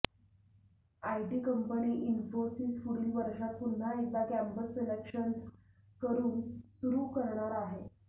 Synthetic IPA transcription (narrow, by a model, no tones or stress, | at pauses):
ajʈiːkəmpəniːʔinfosiːsfuɾiːʋəɾɕat̪̚pun̤ːaekʋakæmpəselekɕəns | kəɾuːnsuɾuːkəɾɳaɾaɦe